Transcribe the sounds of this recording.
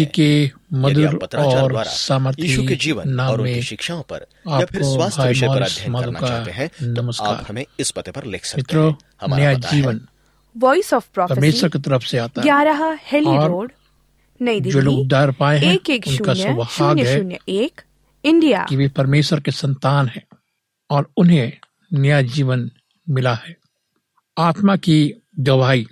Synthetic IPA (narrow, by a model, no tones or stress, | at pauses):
ike | mɐd̪uɾɔːɾsaːməɾt̪ʰinaːmːẽ | aːpkobʱaːjmaːɾsmaːd̪kanɐməskkːa̰ːɾ | mɪt̪ɾo | nɐjad͡ʒiːʋən | ʋɔːisɔːfpɾɔːpɐɾmeːʃəɾket̪ɐɾəfseaːt̪aɦaːɾɐɦahɛːlɔiːɾoːɖ | nɐid̪d͡ʒoːloːɡd̪aːɾpaːeɦɛ̃ːkeːkʊʃnkasʊbhaːɡɦɛunjəeːk | ɪ̃ɳɖija̰ːkiʋepɐɾmeːʃəɾkesɐ̃nt̪aːnɦɛ̃ː | ɔːɾʊnɦẽ | nɐjad͡ʒiːʋən | mɪlahɛː | aːt̪maki | ɡɐʋaːi